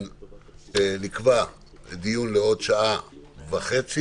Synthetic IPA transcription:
nikva | d̪ijunleo̞dʃaʔavaχet͡si

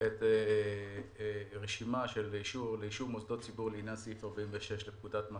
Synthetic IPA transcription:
et̪e | ʁeʃimaʃe̞liʃuʁleiʃuʁmosdot̚t͡sibuʁleinjansiifaʁbaiɱveʃe̞ʃlepkudatma

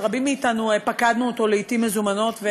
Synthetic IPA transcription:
ʁabimːiːt̪anupakad̪nuot̪o̞leitimːezumano̞t̪ve

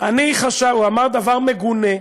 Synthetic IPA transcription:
aniχaʃauamaʁd̪avaʁmeɡune

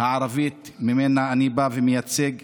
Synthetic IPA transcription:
haʕaɾavit̪ | mimenaːnibavemejat͡seɡ

